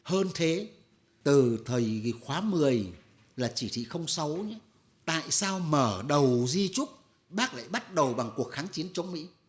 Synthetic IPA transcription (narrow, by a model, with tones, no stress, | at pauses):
həː˧nt̪ʰe˨˦ | t̪ɨ˨˩t̪ʰəː˨˩jxwaː˨˦mɨ˨˩əj | laː˨˩t͡ɕi˧˩t̪ʰḭ˧˨xə˧wŋ͡msa˨˦wɲɨ˨˦ | t̪a̰ː˧˨jsaː˧wməː˧˩ɗə˨˩wzi˧t͡ɕʊ˦˥k͡p̚ | ɓaː˦˥k̚la̰ː˧˨jɓa˦˥t̚ɗə˨˩wɓa˨˩ŋku˨˩ək̚xaː˨˦ŋt͡ɕi˨˦ənt͡ɕɔ˧˨˦wŋ͡mmḭ˧˥